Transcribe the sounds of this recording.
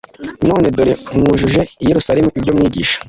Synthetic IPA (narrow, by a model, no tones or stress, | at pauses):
no̞ːne̞doɾemŋuːʒuʒe̞ijeɾusaɾemuibɟo̞mŋiːɟiːʃḁ